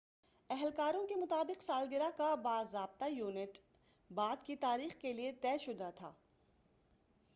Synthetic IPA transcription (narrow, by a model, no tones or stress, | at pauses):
ɛɦɛlkaːɾõkemʊt̪aːbɪqsaːlɡɪɾakabaːzɾaːb̚t̪ajuːnɪʈ | baːd̪kit̪aːɾiːxkeliet̪ɛːʃʊd̪at̪ʰaː